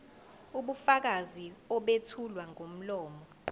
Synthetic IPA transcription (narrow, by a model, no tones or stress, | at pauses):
uɓufak̬aziɔɓetʰulwaŋʱom̩lɔːmɔ